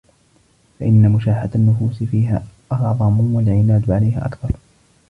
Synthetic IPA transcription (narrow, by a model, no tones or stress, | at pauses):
faʔɪnːamʊʃaːħad̪anːʊfuːsɪfiːɦa̰ːʔɑʕʕðˤɑmʊwalʕɪnaːd̪ʕalajha̰ːʔakθɑɾˤ